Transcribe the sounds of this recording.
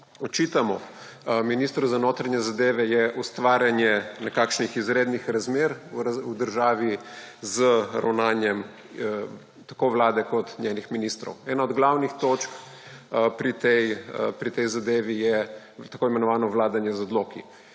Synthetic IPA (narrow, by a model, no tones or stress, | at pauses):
ɔt͡ʃit̪amɔ̰ | minist̪ɾuzanot̪ɾanɲjɛzad̪eːʋɛjɛʔust̪ʋaːɾʲjanjɛnɛkaːkʃnixizɾeːd̪nixɾazmeɾud̪əɾʒaːʋi | zəɾa̰wnaːnjɛm | t̪akoʋlaːd̪ɛkɔt̪nʲjeːnixminist̪ɾɔ̰wɛːnaɔd̪ɡlawnixt̪ot͡ʃk | pɾit̪ɛjpɾit̪ɛjzad̪eːʋijɛ | t̪akoːimɛnɔʋaːnɔʋlaːd̪anjɛzɔd̪lokḭ